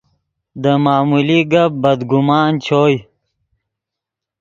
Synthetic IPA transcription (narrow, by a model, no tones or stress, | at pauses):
d̪əmaːmuliɡɐb̚bɐd̪ɡumaːnt͡ɕʰoːj